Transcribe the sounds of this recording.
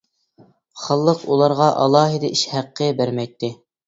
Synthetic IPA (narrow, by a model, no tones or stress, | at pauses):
χɑlˠːəqulˠɑɾʁɑʔɑ̰lˠɑːɦid̪ɑʔiʃhæqːəbæɾmɛjt̪ːɪ